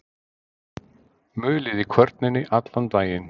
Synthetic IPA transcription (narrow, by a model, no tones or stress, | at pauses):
mʏːlɪðikʰvœɾt̪nɪnːɪʔat̪lant̪aːjɪn